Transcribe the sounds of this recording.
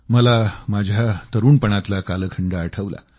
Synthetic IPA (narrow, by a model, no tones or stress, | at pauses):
məlamad͡ʑʱjat̪əɾuːnpəɳ̃at̪lakaləkʰəɳɖaːʈʰəʋla̰